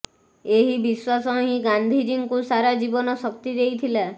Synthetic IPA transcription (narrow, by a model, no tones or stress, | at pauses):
eɦibiswasɔɦĩɡand̪ʱid͡ʒiŋkusaɾad͡ʒibɔnɔsɔkt̪id̪ejt̪ʰila